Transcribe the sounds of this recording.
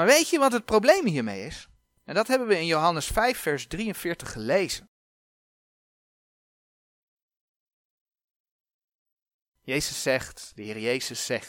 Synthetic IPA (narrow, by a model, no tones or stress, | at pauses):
maːɹʋejtəʋɑtɦət̚prowblejmɦiːɹmḛjɪs | ɛndɑtɦɛbənʋəɪnjowɦɑnəsfɛjfːɛɹzdriənv̥ɪːɹtəχːəlejz̥ən | jejzəsːɛχtd̥əɦɪːrəjejzəsɛχt